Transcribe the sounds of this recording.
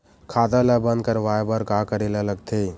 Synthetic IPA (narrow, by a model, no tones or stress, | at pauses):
kʰaːt̪alabə̃nd̪̚kəɾʋaːbəɾkaːkəɾelalɐɡt̪ʰeː